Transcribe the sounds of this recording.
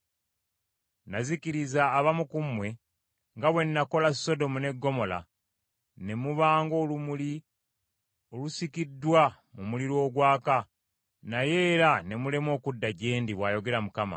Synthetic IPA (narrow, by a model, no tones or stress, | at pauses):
naziciɾizaːβamukumwe̞ | ŋɡaβwe̞nːako̞laso̞do̞mune̞ɡːo̞mo̞la̰ | ne̞muβaːŋɡo̞ːlumuli | olusikidːwa | mumuliɾo̞ːɡwaːka | naje̞ːɾane̞mule̞mwo̞ːkudːaɟeːndiβwaːjo̞ɡe̞ɾamukama̰